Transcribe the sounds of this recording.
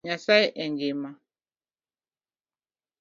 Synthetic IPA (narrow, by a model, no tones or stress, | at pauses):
ɲasaiʔɛŋɡima